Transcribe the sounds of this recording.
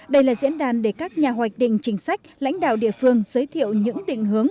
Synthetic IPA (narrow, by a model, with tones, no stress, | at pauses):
ɗə˧jlaː˨˩zḭ˧˥ənɗaː˨˩nɗe˧˩kaː˦˥k̚ɲaː˨˩ɦwaː˨˩j̚ɗḭ̈˧˨ŋ̟t͡ɕï˨˦ŋ̟sa˦˥jk̟̚la̰˧˥jŋ̟ɗa̰ː˧˨wɗḭ˧˨əfɨ˧əŋzəː˨˦jt̪ʰḭ˧˨əwɲɨ̰˧˥ŋɗḭ̈˧˨ŋ̟ɦɨ˨˦əŋ